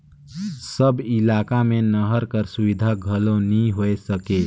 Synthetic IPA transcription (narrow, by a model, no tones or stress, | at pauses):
səbɪlaːkamẽnəɦəɾkəɾsʊʋɪd̪ʱaɡʱəlonəĩɦoesəkeː